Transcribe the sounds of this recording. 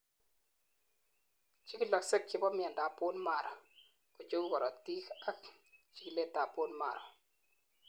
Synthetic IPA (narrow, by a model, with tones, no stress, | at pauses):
t͡ʃi˦ki˦lɔ˨kse˦k̚t͡ʃɪ˦bɔ˦mɪ˦a˨nda˨po˦nma˨ɾɔ̰˨ | ku˨t͡ʃe˦wu˦kɔ˨ɾʔɔ˨ti˦ka˦k | t͡ʃi˦ki˨le˦tːa˨po˦nma̰˨ɾɔ̰˨